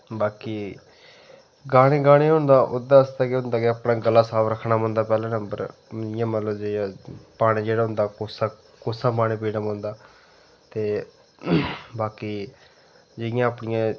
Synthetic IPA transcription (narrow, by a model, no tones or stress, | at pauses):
baːkiː | ɡaːɽ̃eːɡaːɽ̃eːɦʊ̃ːnd̪aːʔʊd̪ãːəst̪aːkeɦʊ̃nd̪aːkɪaːpnãːɡəlːaːsaːʋɾəkʰːnaːmõːnd̪aːpɛːlãːnəmbə̰ɾməɪjãːmət̪ləbd͡ʒejãːpaːɽ̃ẽːd͡ʒeːɽaːɦʊ̃nd̪aːkoːsaː | koːsãːpaːɽ̃ẽːpiːnãːmõːnd̪aː | t̪eː | baːkiː | d͡ʒɪɪjãːəpnɪjãː